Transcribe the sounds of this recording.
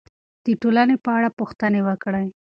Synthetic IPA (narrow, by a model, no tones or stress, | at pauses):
d̪̥əʈolanepəaɽapuxt̪ənewəkɽaj